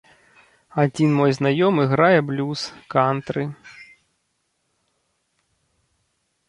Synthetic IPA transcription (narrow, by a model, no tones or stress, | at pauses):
ad͡zʲinmɔjznajɔmɨɣɾajɛblʲuskant̪ɾɨ